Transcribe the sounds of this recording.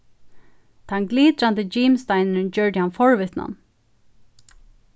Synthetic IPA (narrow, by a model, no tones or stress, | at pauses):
t̪ʰanɡliːt̪ɾand̪əd͡ʒiːmst̪aɪnəʏnd͡ʒœɹdɪhanfɔɹvɪt̪na̰n